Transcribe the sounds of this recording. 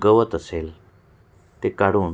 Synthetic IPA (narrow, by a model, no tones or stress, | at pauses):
ɡəʋət̪əsel | t̪ekaɽuːn